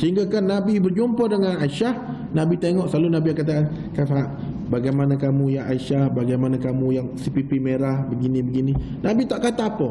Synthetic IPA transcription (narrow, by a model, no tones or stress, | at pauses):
səɦiŋɡakanːabibərd͡ʒompɔrdəŋanaiʃah | nãbit̪eŋɔʔsəlalunabijaŋkat̪̬aʔn | kasaʔ | baɡajmanãkamũjaŋʔaiʃahbaɡajmanãkamũjaŋsipipimeɾahbəɡinĩbəɡinĩ | nabit̪aʔkat̪aapə